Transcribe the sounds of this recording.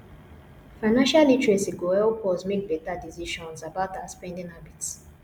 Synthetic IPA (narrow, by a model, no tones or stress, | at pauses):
faɪnãnʃalitɹɛsiɡoɛlpʰɔzmek̚bɛtadisiʃɔ̃nsabaʊtaspɛ̃ndĩŋabits